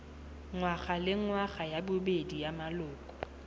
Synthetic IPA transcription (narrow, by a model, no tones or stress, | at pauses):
ŋwaχalɪŋwaɣajabʊbedijamalʊːkʼɔ̥